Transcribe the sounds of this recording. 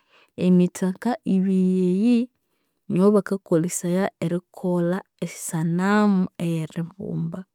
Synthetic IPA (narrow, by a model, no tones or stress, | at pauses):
emitʰakaʔiβijeji | noβakakolisajaeɾikʰola | esi̥sanamuejeɾiβṵːmba